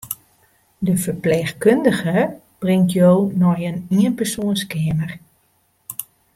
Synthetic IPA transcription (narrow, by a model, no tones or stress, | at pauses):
dəfərpleːxkøndəɣə | b̥rɪŋtjoːnɔjəniənpərsoənskɪəmər